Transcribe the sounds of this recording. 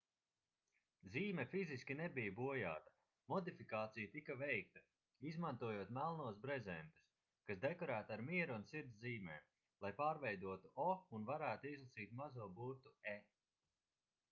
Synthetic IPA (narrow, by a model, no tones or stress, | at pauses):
ziːmɛfiziskʲinɛbijbuɔja̰ːt̪ḁ | mɔd̪ifikaːt̪sijt̪ikavɛjk̚t̪a | izmant̪uɔjoɔt̪mælˠnuɔsbɾɛzɛnt̪u̥s | kasd̪ɛkɔɾæːt̪aːɾmiɛɾuunsiɾt̪sziːmɛ̰ː | lˠajpaːɾvɛjd̪uɔt̪uʔɔunvaɾæːt̪uizlˠasiːt̪mazuɔbuɾt̪uɛ